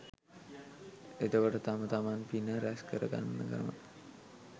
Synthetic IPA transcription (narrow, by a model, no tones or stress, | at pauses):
et̪əʋəʈət̪amət̪amanpinəɾæskəɾəɡa̰nːəkəɾəmə̰